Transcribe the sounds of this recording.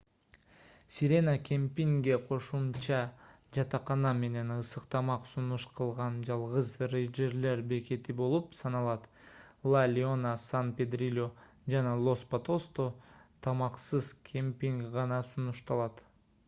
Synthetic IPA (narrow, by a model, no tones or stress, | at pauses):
sʲiɾʲe̞nakʲʰempʲiŋɡe̞qʰo̞ʃumt͡ʃɑ | d͡ʒɑt̪ɑqɑnɑme̞ne̞nɯsɯqt̪ɑmɑqsunuʃqʰɯlˠʁɑnd͡ʒɑlˠʁɯzrejd͡ʒe̞ɾle̞ɾbe̞ke̞t̪ibo̞lˠupsɑnɑlˠɑt̪ | lˠalʲɪo̞nasanpʲed̪rʲilʲo | d͡ʒɑnɑlˠo̞spat̪o̞st̪ot̪ʰɑmɑqsɯzkʲʰempʲiŋɡʁɑnɑsunuʃt̪ɑlˠɑt̪